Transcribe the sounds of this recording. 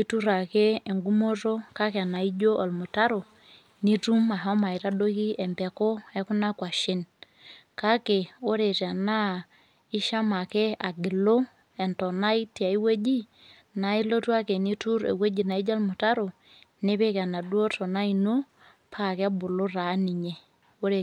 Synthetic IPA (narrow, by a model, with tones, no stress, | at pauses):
i˦tu˦ɾa˨ke˦e˨ŋɡu˦mo˦to˦ka˦ke˨a˨na˨i˦d͡ʒo˦ʔa˨lmʊ˨ta˦ɾo˨ | ni˦tu˦ma˨ɦɔ˦ma˨i˨ɾa˦do˦ki˦ɛ˨mbɛ˨ko˦ɛ˦ku˦na˦kwa˨ʃe˦n | ka˦ke˨o˦ɾe˨ta˨na˦ | ɪ˦ʃa˦ma˨ke˦a˨ɡɪ˨lo˦ | ɛ˨ntɔ˨na˦i˦ti˨a˨i˦we˦d͡ʒi˦ | na˨i˦lo˦twa˦ke˨ni˦tu˦ɾḛ˨we˦d͡ʒi˨na˨i˦d͡ʒa˦lmʊ˨ta˦ɾo˨ | ne˦βe˦ka˨na˨du˦o˦tɔ˨na˦i˨no˦ | pʰa˦˨ke˦a˦bʊ˨lo˦ɾa˨˦ni˨ɲe˨ | o˦ɾe˨